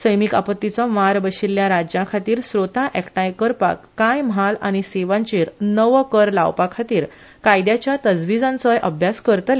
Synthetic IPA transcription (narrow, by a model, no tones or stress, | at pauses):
səjmika̰pət̪ːit͡sɔmaɾbəɕilːjãɾad͡ʑjãkʰat̪iːɾsɾot̪ãʔɛkʈãjkəɾpa̰kːãjmɦalañiseʋãɲt͡ɕeːɾnəʋkəɾla̰wpakʰat̪iːɾ | kajd̪jat͡ɕjat̪əd͡zʋid͡zãnt͡sɔjʔə̰bʱjaskəɾt̪l